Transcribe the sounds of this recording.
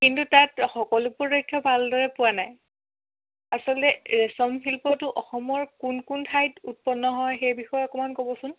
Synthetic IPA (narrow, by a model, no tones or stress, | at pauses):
kintutatxɔkɔlʊpʊɹɹojkʰːjɔbʱaldɔɹɛpʊwanaj | asɔlɔtɛɹɛsɔmɦilpɔtʊʔɔxɔmɔɹkunkuntʰajtut̚pɔnːɔɦɔjxejbixɔjɔɔkɔmankobɔsʊn